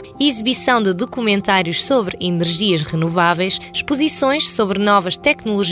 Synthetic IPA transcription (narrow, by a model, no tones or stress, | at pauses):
izɨβisɐ̃w̃d̪ɨðukumẽnt̪aɾjuʃsoβɾinɨɾʒiɐʃʁɨnuvavɐjʃʃpuzisõj̃ʃsoβɾnɔvɐʃt̪ɛknulˠuʒ